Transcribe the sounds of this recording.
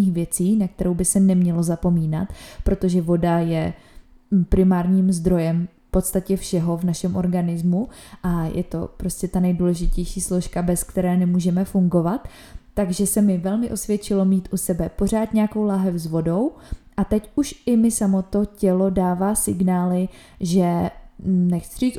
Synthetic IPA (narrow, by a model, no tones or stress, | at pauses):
iːxvjɛt͡siːnak̚t̪ɛɾo̞wbɪsɛnɛmɲɛlo̞zapo̞miːna̰t̪pɾo̞t̪o̞ʒɛvo̞dajɛ | pɾɪmaːɾɲiːmzd̪ɾo̞jɛm | po̞t̪st̪acɛfʃɛɦo̞vnaʃɛmʔo̞ɾɡanɪzmuʔajʔɛ̰t̪o̞̰pɾo̞scɛt̪anɛjduːlɛʒɪcɛjʃiːslo̞ʃkabɛskt̪ɛɾɛːnɛmuːʒɛmɛfuŋɡo̞vat̪ː | aɡʒɛsɛmɪvɛlmɪʔo̞svjɛt͡ʃɪlo̞miːt̪ʔusɛbɛpo̞r̝aːt̪ɲɛako̞wlaɦɛfzvo̞do̞wʔat̪ɛcuʃɪmɪsamo̞t̪o̞cɛlo̞daːvaːsɪɡnaːlɪ | ʒɛ | nɛxsɪ̥r̝iːt͡s